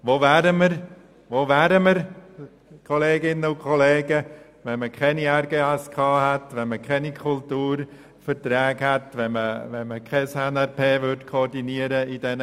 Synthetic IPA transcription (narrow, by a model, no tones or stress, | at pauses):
ʋoːvæːɾəməɾ | ʋoːvæːɾəməɾ | kʰɔleːɡɪnəʊkʰɔleːɡə | ʋɛnməkʰɛniɛɾɡeːɛskʰɑːɦɛtʋɛnməkʰɛnikʰʊltuːɾ | fəɾt̪ɾɛːɡhɛtʋɛməʋɛnməkʰɛsɛnɛɾpʰeːvʏɾdkʰɔːrdiniəɾəid̥ɛnə